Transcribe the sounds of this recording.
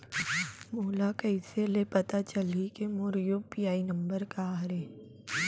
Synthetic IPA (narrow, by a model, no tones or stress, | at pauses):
moːlakɐɪselepɐt̪at͡ʃɐlikemoːɾjopijaːinɐ̃mbəɾkaɾẽː